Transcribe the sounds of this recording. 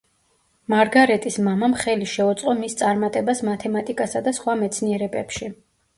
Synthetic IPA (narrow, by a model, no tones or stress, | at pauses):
maɾɡaɾɛt̪ʼismamamχɛliʃɛut̪sʼqʼɔmist̪sʼaɾmat̪ʼɛbasmat̪ʰɛmat̪ʼikʼasad̪asχwamɛt̪sʰniɛɾɛbɛpʃi